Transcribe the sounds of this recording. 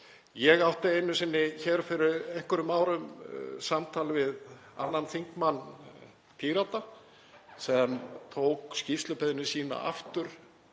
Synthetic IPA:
jɛɣawht̪aejnʏsɪnːɪçɛɾfɪɾɪɾehkʏɾʏmaːwɾʏmsamt̪ʰaːlɪvɪð | a̰nːanθiŋkmanː | p̪ʰiːɾat̪a | sɛmt̪ʰoːwkscifst̪lʏpɛðɪnʏsiːna̰ʔa̰ft̪ʏɾ̥

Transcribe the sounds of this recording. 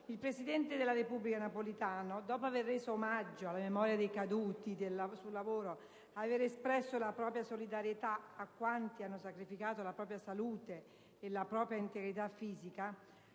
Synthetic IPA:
ilpɾesid̪ɛnt̪ed̪elːaɾepubːlikanapolit̪aːnod̪ɔːpoaverːeːzoːmad͡ʒːoalːamemɔɾjad̪ejkad̪uːt̪id̪elːasulːavoːɾo | aːveɾespɾɛsːolapɾɔːpɾjasolid̪aɾjet̪aːkːwant̪ianːosakɾifikaːt̪olapɾɔːpɾjasaluːt̪eː | lapɾɔːpɾjaint̪eɡɾit̪afːiːzika

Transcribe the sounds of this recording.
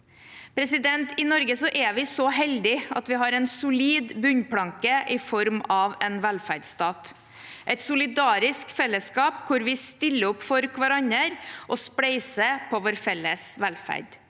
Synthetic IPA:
pʰɾɛsɪd̪ɛnt̪ɪnɔɾɡəsɔʔɛʋɪsɔɦɛld̪ɪɑ̰t̪ʋɪɦɑːɾɛnsʊliːd̪bʉɲpʰlɑŋkəʔɪfɔɾmɑʋɛnʋælfæɾɖst̪ɑːt̪ | ʔɛt̪sʊlɪd̪ɑːɾɪskfɛlːəskɑːpkʰʊɾʋɪst̪ɪlːəɔpːfɔɾkʰʋɑɾɑɲəɾʔɔspɽɛɪsəpʰɔʋoːɾfɛlːəsʋælfæ̰ɾɖ

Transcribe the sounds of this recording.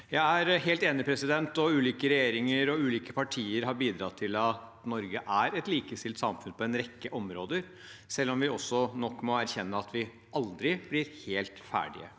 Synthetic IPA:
jæɪæɾɦeːlt̪eːnɪpʰɾɛsɪd̪ɛnt̪ɔʉːliːkəɾɛjeːɾɪŋəɾɔʉːliːkəpʰɑʈʰiːəɾɦɑɾbiːd̪ɾɑt̪ʰɪlɑt̪ | nɔɾɡəʔæɾɛt̪liːkəst̪ɪlt̪sɑmfʉnpʰɔɛnɾɛkːəʔɔmɾoːd̪əɾ | sɛlːɔmʋɪɔsːɔnɔkːmɔæɾçɛnːəɑt̪ʋɪ | ɑld̪ɾɪb̥lɪɾheːlt̪fæ̰ːɖɪ̰ə̰

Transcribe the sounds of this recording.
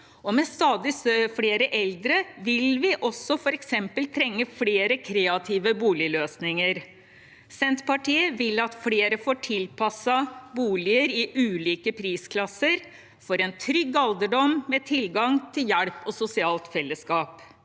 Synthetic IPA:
ɔmɛst̪ɑːd̪ɪsøfɽeːɾəʔɛld̪ɾəʋɪlʋɪʔɔsːɔfɔɾɛksɛmpəlt̪ʰɾɛŋːəfɽeːɾəkʰɾeːɑt̪ʰiːʋəbuːlɪløːsnɪŋəɾ | sɛnt̪pɑʈiːəʋɪlːɑt̪fɽeːɾəfoːʈʰɪlpʰɑsɑbuːlɪəɾɪʔʉːliːkəpʰɾiːskʰlɑsːəɾ | fɔɾɛnt̪ʰɾʏɡːɑld̪əɖɔmmeːt̪ʰɪlɡɑŋt̪ʰɪljæɽpɔsʊsɪɑːlt̪fɛlːəskɑːp

